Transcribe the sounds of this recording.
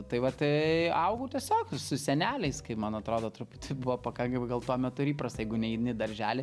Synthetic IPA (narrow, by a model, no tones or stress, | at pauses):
t̪ɐɪʋɐt̪ɪɐʊɡuːt̪ʲiɛsʲoːksʊsʲɛnʲæːlʲɛɪskɐɪpmɐnɐt̪ɾoːd̪oːt̪ɾʊpʊt̪ʲɪbʊʋoːpɐkɐŋkɐmɡɐlˠt̪uɔmʲɛt̪ʊɪɾiːpɾɐst̪ɐjɛɪɡʊnʲɛiːd̪ʲnʲɪd̪ɐɾʲʒʲæːlʲɪ